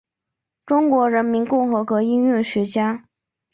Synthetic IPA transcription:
ʈ͡ʂʊ˥ŋkwɔ˧˥ɻə˧˥nmi˧˥nkʊ˥˩ŋxɤ˧˥kwɤ˧˥i˥ny˥˩ɕɥɛ˧˥t͡ɕja˥

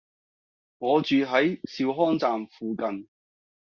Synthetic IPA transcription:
ŋɔː˨˧t͡ʃyː˨ɦɐ˨˥jsiː˧wɦɔː˥ŋt͡saː˨mfuː˨kɐ˨n

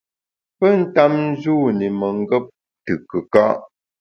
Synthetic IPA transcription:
pə˦n̩˦ta˦mn̩˦zuː˦˨ni˨mə˨ŋ˦ɡə˦p̚ | tɨ˨kə˨ka̰˦ʔ

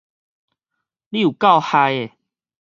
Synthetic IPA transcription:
li˦˧u˨˩ka˥˧˨wha˧je˨

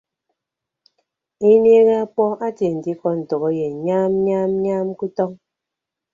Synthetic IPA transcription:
i˦n˦e˦ɣa˦a˦k͡pɔ˦a˦tje˨n̩˨di˦kɔ˦n̩˨to˨ɣɔ˦je˨ɲaː˦mɲaː˦mɲa˦mku˦tɔ˦ŋ

